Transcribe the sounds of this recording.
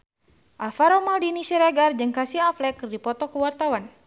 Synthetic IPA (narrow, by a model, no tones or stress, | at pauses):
ʔalfaɾɔmaldinisɛɾaɡard͡ʒɨŋkasiaflɛkdipɔt̪ɔkuwart̪awan